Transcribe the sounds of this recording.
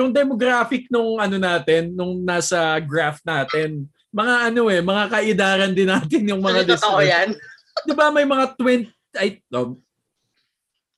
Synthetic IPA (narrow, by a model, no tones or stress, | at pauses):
jʊŋd̪ɛmoɡɾaːfɪk̚nʊŋʔɐno̞naːt̪ɛnːʊŋnaːsɐɡɾaft̪̚naːt̪ɛn | mɐŋaʔɐno̞ɛmɐŋakɐʔɪd̪aːɾɐnd̪ɪnaːt̪ɪnjʊŋmɐŋad̪ɪsojan | d̪ɪbamɐjmɐŋat̪wɛnt̪ | ʔɐjob̚